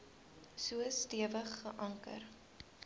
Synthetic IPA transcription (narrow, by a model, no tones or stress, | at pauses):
suəstiəvəχːəʔɐŋkə̰r